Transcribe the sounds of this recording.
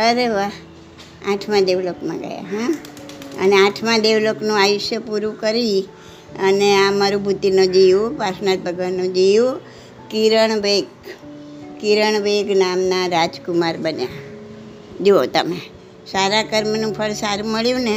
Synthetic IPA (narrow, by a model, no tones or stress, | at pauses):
əɾeʋa | aʈʰmãd̪eʋlokmã̰ɡə̰ja̰ɦə̃ | ə̰neaʈʰmãd̪eʋloknũajʊʃjəpuɾũkəɾi | əneãmaɾũbʱut̪ːinõd͡ʒijũʋaɾsnaɾbʱəɡənũd͡ʒijũ | kiɾəɳʋeɡ | kiɾəɳ̃ʋeɡnamnaɾad͡ʒkumaɾbənja̰ | d͡ʒoot̪əme | saɾakəɾmənũpʰəɭsaɾũməɭjũne